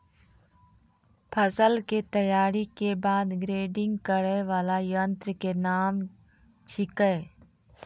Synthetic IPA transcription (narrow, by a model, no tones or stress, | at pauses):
pʰəsəlket̪əjaːɾikebaːd̪ɡɾeːɖɪ̃ŋɡkəɾəʋaːlajənt̪ɾəkenaːm | t͡ʃʰɪkə